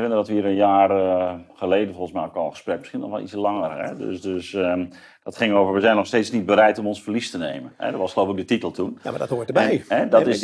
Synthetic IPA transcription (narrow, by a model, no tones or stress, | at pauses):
rɪndədɔtʋiəɾənjaːrχəlejdən̩folˠxən̩smɛjokɔlˠxə̥sprɛk̚məsχinɔ̰xʋɛlˠḭsəlɑŋərɛ̰dø̰sdøs | d̥ɔtχɪŋoːvəɹʋəzɛjnɔxsteːtsnid̚bəɾɛjtomɔnsfərlistənejmənhɛ̰dəʋɔsxəlowpəkɡdətitəlˠtʰunadthoəjɦɛdɔtɪs